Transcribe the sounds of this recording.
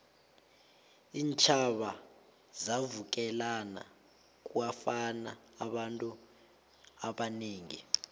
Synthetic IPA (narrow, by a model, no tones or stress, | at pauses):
iːnt͡ʃʰaɓa | zavuk̬ɛlana̰ | k̬uwafanaː | ɓantʼu | aɓaneːŋḭ